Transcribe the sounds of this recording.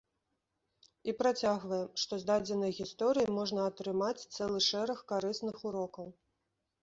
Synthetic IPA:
ipɾat͡sʲaɣvɐjɛmʂt̪ɔzd̪ad͡zʲɛnɐjɣʲist̪ɔɾɨjimɔʐnɐɐt̪ɾɨmat͡sʲt̪sɛlˠɨʂɛɾɐxkaɾɨsnɨxuɾɔkɐw

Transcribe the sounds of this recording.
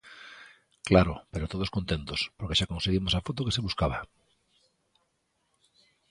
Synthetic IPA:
klaɾʊpeɾot̪oð̞oskont̪ent̪ospoɾkeʃakonseɣimosafot̪okeseβuskaβa

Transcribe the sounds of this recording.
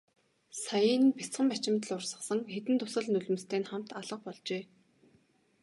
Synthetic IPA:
sajəːnpit͡sχə̆mpæt͡ɕɪ̆mʲt̪ə̆ɮʊrsə̆χsə̆ŋxet̪ɘ̆nt̪ʰʊsə̆ɮnɵɮɘ̆mst̪ʰeːnχam̥t̪aɮə̆q̚pɔɮt͡ɕeː

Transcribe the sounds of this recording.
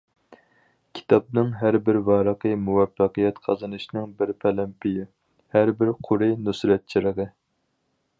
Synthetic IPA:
kʲʰi̥t̪ʰɑp̚nɨŋɦæɾbɪɾvɑːɾəqəmuwɛfːɑqɨjɛt̪qʰɑzɨnɨʃnɨŋbɪɾpʰɛlɛmpʰɪjɪ | hæɾbɪɾqʰʊɾɨnysɾɛt̪̚t͡ʃʰiɾəʁɨ

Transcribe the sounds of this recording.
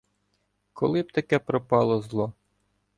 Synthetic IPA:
kɔlˠɪb̚t̪ɐkɛpɾɔpɑlˠɔzlˠɔ

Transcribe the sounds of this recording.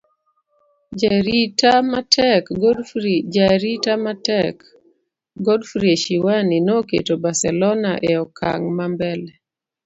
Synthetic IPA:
ɾitamatʰɛkɡdaɾitamatɛk | ɡɔdfɾieʃiwaninokḛtobasɛlɔnaʔeɔkʰa̰ŋmambɛlɛ

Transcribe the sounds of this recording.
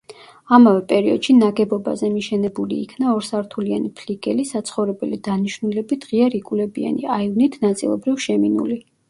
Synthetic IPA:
amavɛpʼɛɾiɔ̰d̪̥ʃinaɡɛbɔba̰zɛmiʃɛnɛbulḭːkʰnaɔɾsaɾt̪ʰulia̰nipʰliɡʼɛlisat̪sʰχɔvɾɛbɛlid̪̥aniʃnulɛbid̪̥ʁiaɾikʼulɛbia̰niaivnit̪ʰnat̪sʼḭlˠɔbɾivʃɛminṵli

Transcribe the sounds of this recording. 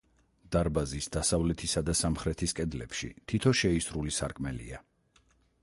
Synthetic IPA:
d̪̥aɾbazisd̪asavlɛt̪ʰisad̪asamχɾɛt̪ʰiskʼɛd̪lɛ̰pʃḭt̪ʰit̪ʰɔʃɛisɾulisaɾkʼmɛlḭa

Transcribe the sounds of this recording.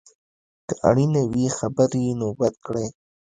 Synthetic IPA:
kəʔa̰ɽinawixabəɾinobat̪̚kɽej

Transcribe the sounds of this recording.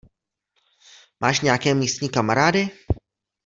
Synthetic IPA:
mʔaːʃɲɛjakɛːmiːst̪ɲiːkamaɾaːdɪ

